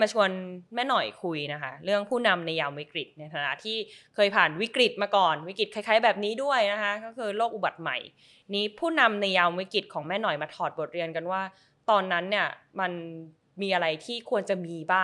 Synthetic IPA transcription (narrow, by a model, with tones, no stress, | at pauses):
ma˧t͡ɕʰu˧ənmɛː˥˩nɔ˨˩jkʰu˧jna˦˥kʰa˦˥ɾɯ˥˩əŋpʰuː˥˩na˧mna˧jaː˧wmwi˦˥kɾi˨˩t̪̚na˧jt̪ʰaː˨˦na˦˥˩t̪ʰiː˥˩kʰɤː˧jpʰaː˨˩nwi˦˥kɾi˨˩t̪̚maː˧kɔː˨˩nwi˦˥kɾi˨˩t̪̚kʰa˧jkʰaː˦˥jbɛː˨˩p̚niː˦˥du˥˩əjna˦˥kʰa˦˥kɔː˥˩kʰɯː˧loː˥˩k̚ʔu˨˩ba˨˩t̪̚ma̰˨˩j | niː˦˥pʰuː˥˩na˧mna˧jːaː˧wwi˦˥kɾi˨˩t̪̚kʰɔː˩˦ŋmɛː˥˩nɔ˨˩jmaː˧t̪ʰɔː˨˩t̪̚bo˨˩t̪̚ɾi˧ənka˧nwaː˥˩ | t̪ɔː˧nːa˦˥nːi˥˩ɐma˧n | miː˧ʔa˧ɾa˧jt̪ʰiː˥˩kʰu˧ənt͡ɕa˨˩miː˧baː˥˩